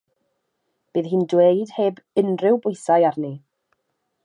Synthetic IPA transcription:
b̥ɨːðɦiːndwejd̥heːbənrɪwbʊjsajarni

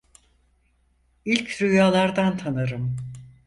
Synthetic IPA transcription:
ilʲcʰɾyjaːlˠaɾd̪ant̪ʰanaɾɯm

